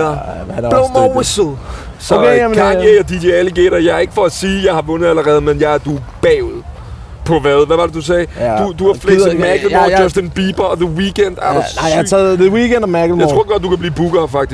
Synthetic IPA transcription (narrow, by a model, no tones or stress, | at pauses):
b̥elmɔwɪsl̩ˠ | sɡɑŋeɐdid̥iæliɡ̥ḛɾɐjɑ̈ɪɐe̝ɡ̥əfɒ̽æsiːjɑ̈ɪhɑ̈ʋɔ̽nð̩ˠæləʁɛːð̞̩ˠmenjɑ̈ɪæɐd̥ub̥ɛʊð̩ˠ | pʰɒ̽ʋæðˠʋæʋɑ̈d̥ed̥usɛːd̥ud̥uɑflesmæɡ̥l̩mɔːd͡ʒɒ̽sd̥enb̥ib̥ɐɒðəwikʰend̥æɛðəwikend̥ɒmæɡl̩mjaɪt͡sʁo̝ɐ̰ɡ̥ɒ̽d̥̚d̥ukʰæb̥liːb̥uɡ̥ɐːfɑ̈ɡ̥̚d̥is